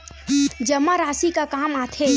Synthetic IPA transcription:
d͡ʒɐmːaɾaːsikakaːmaːt̪ʰe

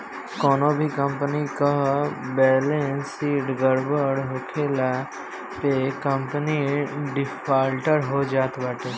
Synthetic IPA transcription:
kɔːnõːbʱikəmpənikabɛːlẽnsiːʈɡəɾbəɽɦoːkʰeːla | pekəmpəniɖɪfʰaːlʈəɾɦoːd͡ʒaːt̪baʈe

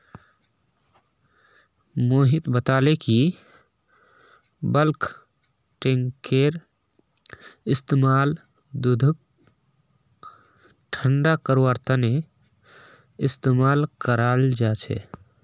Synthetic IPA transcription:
moːɦit̪bət̪aleki | bəlkʰ | ʈeŋkeɾ | ɪst̪emaːl | d̪ud̪ʱək̚ | ʈʰəɳɖakəɾoaɾt̪ʰane | ɪst̪emaːlkəɾald͡ʒat͡ʃʰɛ̰

